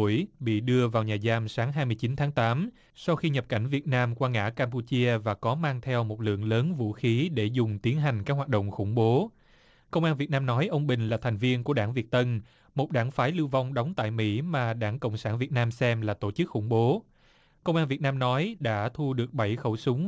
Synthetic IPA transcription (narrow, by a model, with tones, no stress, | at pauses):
əjɓḭ˧˨ɗɨ˧əvaː˨˩wɲaː˨˩zaː˧msaː˨˦ŋɦaː˧jmɨ˧əjt͡ɕi˨˦nt̪ʰaː˨˦ŋt̪aː˨˦m | sa˧wxi˧ɲə˨˩p̚ka̰˧˩jŋ̟vi˨˩ət̚naː˧mkwaː˧ŋa̰ː˧˥kaː˧mp̬u˧t͡ɕi˧əvaː˨˩kɔ˨˦maː˧ŋt̪ʰɛ˧wmo˨˩t̚lɨ̰˧˨əŋləː˨˦nvṵ˧˥xi˨˦ɗe˧˩zʊ˨˩ŋ͡mt̪i˨˦ənɦa˨˩jŋ̟kaː˦˥k̚waː˨˩t̚ɗə̰˧˨wŋ͡mxʊ̰˧˩ŋ͡mɓo˨˦ | kə˧wŋ͡mʔaː˧nvi˨˩ət̚naː˧mnɔ˨˦jʔə˧wŋ͡mɓï˨˩ŋ̟laː˨˩t̪ʰɛ˨˩jŋ̟vi˧ənku˧˩əɗaː˧˩ŋvi˨˩ət̚t̪ə˧n | mo˨˩t̚ɗaː˧˩ŋfaː˨˦jlɨ˧wva˧wŋ͡mɗɔ˨˦wŋ͡mt̪a̰ː˧˨jmḭ˧˥maː˨˩ɗaː˧˩ŋkə̰˧˨wŋ͡msaː˧˩nvi˨˩ət̚naː˧msɛ˧mlaː˨˩t̪o˧˩t͡ɕɨ˦˥k̚xʊ̰˧˩ŋ͡mɓo˨˦ | kə˧wŋ͡mʔaː˧nvi˨˩ət̚naː˧mnɔ˨˦jɗa̰ː˧˥t̪ʰu˧ɗɨ˨˩ək̚ɓə˧˩jxə˧˩wsʊ˨˦ŋ͡m